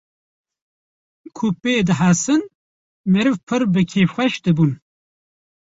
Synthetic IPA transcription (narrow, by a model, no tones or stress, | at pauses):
kʰupeːd̪ɨɦasɨn | mɨɾɨvpʰɨɾbɨkʰeːfxʷɛʃd̪ɨbun